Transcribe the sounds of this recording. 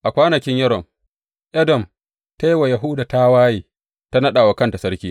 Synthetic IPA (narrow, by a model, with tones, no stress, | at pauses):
ʔa˨kʷaː˦nɐ˨kʲɪ˦ɲjɛ˦ɾɔ˨m | ʔɛ˦dɔ˨m | ta˦jwa˨ja˨ɦuː˦daː˨ta˦waː˦jiː˨ | ta˦nɐ˦ɗa˨wa˨kɐ˦nta˨sɐ˦ɾkʲiː˦